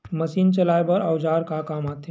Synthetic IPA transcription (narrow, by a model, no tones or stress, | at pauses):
mɐsiːnt͡ʃɐlaːjebɐɾaʊd͡ʒaːɾkakaːmaːt̪e